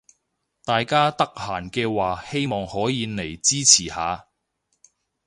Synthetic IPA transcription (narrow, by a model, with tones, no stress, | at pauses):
t̪aː˨jkaː˥t̪ɐ˥k̚haː˨˩nkɛː˧waː˨he˥jmɔː˨ŋhɔː˨˥jiː˨˧ne˨˩jt͡siː˥t͡sʰiː˨˩haː˨˧